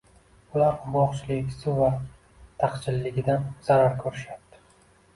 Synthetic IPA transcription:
ʊlaɾqbɒχt͡ʃʰɪlɪkʲsɪva | t̪ʰaqt͡ʃʰɪlːɪɡʲɪd̪anz̥aɾaɾkʰɵɾɪʃat̪ːɪ̥

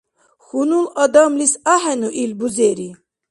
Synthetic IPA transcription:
xunulɑd̪amlisahɛnuʔilbuzɛɾi

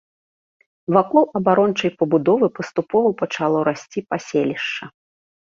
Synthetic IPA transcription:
vakɔlˠɐbaɾɔnt͡ʂɐjpɐbud̪ɔvɨpɐst̪upɔvɐwpɐt͡ʂalˠɔɾasʲt͡sʲipasʲelʲiʂt͡ʂɐ

